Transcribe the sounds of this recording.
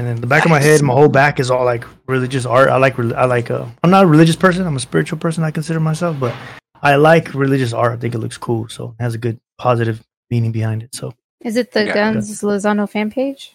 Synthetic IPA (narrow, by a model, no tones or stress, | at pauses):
ɨ̃nðɨ̃nðəbækʌvmaɪɦɛdn̩maɪɦoʊlˠbækɨzɔlˠlaɪk | ɹɪlˠɪd͡ʒɨs̬ɑɹta̰ɪlaɪkɹilʔa̰ɪlaɪkʌ̰ãɪ̃mnəɾəɹilɪd͡ʒɨspʰɜ˞s̬ɨ̃nãɪ̃məspɪɹɨt͡ʃul̩ˠpʰɜ˞sə̃naɪknsɪɾə˞maɪsɛlˠfb̥ʌɾ | aɪlaɪkʰɹilɪd͡ʒɨs̬ɑ̰ɹɾaɪθɪ̃ŋkɨtˡlʊ̰kskʰulˠsoʊt̚hɨzɨɡʊd̚pʰɑzɨɾɨv | mĩnɪ̃ŋbɨhãɪ̃ndɨtsoʊ | ɨzɨt̪̚ðɨɡʌ̃nzləzɑnoʊfæ̃npʰeɪd̥ʒ̥